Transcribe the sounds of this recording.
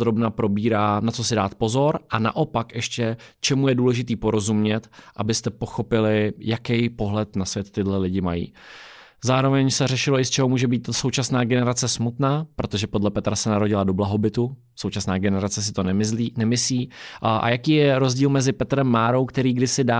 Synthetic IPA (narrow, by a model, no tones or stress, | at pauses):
ɾo̞bnapɾo̞biːɾaːnat͡so̞sɪdaːt̪̚po̞zo̞ɾʔana̰ʔo̞pakʔɛʃcɛt͡ʃɛmujɛduːlɛʒɪt̪iːpo̞ɾo̞zumɲɛt̪ʔabɪst̪ɛpo̞xo̞pɪlɪjakɛjpo̞ɦlɛt̪nasvjɛt̪ːɪdlɛlɪɟɪmajḭː | zaːɾo̞vɛɲsɛrɛʃɪlo̞ʔɪst͡ʃɛɦomuːʒɛbiːt̪so̞wt͡ʃasnaːɡɛnɛɾat͡sɛsmut̪naːpɾo̞t̪o̞ʒɛpo̞dlɛpɛt̪ɾasɛnaɾo̞ɟɪlado̞blaɦo̞bɪt̪u | sowt͡ʃasnaːɡɛnɛɾat͡sɛs̬ɪ̥t̪onɛɪinɛmɪsliːʔʔa̰jakiːjɛɾo̞zɟiːlmɛzɪpɛt̪ɾɛmːaːɾowkt̪ɛɾiːɡdɪsɪdaː